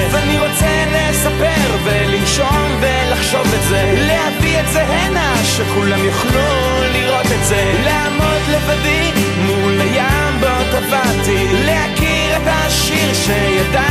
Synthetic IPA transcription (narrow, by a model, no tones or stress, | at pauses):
vaniʁo̞t͡selesapeʁveliʃonvelaχʃo̞vetzelehavietzeɦena | ʃekulamjuχlu | liʁo̞t̪etzeleamo̞d̪levadi | mulajambot̪avant̪ilehakiʁet̪aʃ | iʁʃejad̪a